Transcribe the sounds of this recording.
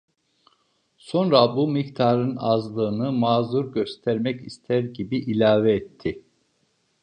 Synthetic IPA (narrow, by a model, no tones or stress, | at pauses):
so̞nɾabumikt̪ʰaɾɯnazlˠɯːnɯmaːzuɾɟø̞st̪ʰæɾmɛcist̪ʰæɾɟibiʔilʲaːvɛːt̪ʰːi